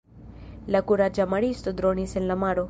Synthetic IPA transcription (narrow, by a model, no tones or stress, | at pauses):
lɐkuɾad͡ʒamɐɽist̪od̪ɾoːnisenlɐmaːɽo